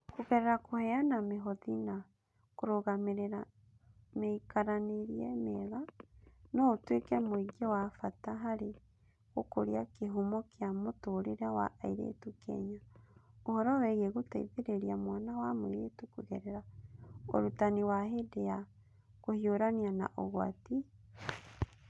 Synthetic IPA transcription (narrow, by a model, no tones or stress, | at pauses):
kuɣɛɾɛɾakohɛanameɦɔðina | koɾoɣameɾeɾa | meikaɾaneɾiɛmɛɣanɔtwekɛmoiɡjɛwafataɦaɾe | ɣokoɾiakeɦomɔkjamotoɾeɾawa̰ʔaiɾḛtukɛ̰ɲaohɔɾawɛɣeɣotaiβeɾeɾiamwaːnawamoiɾetukuɣɛɾɛɾao̰ɾutaniwaɦedea | kohioɾaniana̰ʔoɣwa̰ti